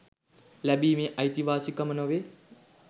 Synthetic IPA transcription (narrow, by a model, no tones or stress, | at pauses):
lɐbiːmeʔɐjt̪iʋaːsikɐmɐnoʋe